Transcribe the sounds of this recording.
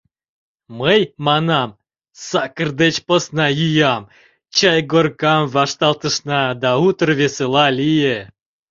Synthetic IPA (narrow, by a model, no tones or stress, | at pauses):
məjmɑnɑm | sɑkərd̪et͡ɕposnɑjyjɑm | t͡ɕɑjɡorkɑmvɑʂt̪ɑlˠt̪əʂnɑd̪ɑut̪ərvʲeselˠɑlʲije